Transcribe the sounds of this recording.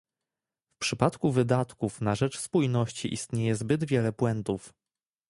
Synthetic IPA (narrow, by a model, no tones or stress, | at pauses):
fpʂɘpat̪kuvɘd̪at̪kufnaʐɛt͡ʂspujnɔɕt͡ɕḭʔist̪ɲejɛzbɘd̪vʲjɛlɛpwɛnt̪uf